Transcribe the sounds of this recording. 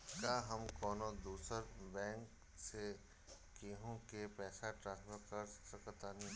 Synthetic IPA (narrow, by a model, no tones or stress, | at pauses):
kaɦəmkɔːnod̪uːsəɾbɛ̃ːŋk | se | keːɦõkepɛːsaʈɾãːnsfʰəɾkəɾsəkət̪anĩ